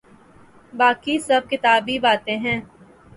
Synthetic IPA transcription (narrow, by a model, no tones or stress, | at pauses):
baːkisɐb̚kɪt̪aːbʱibaːt̪ẽɦɛ̃ː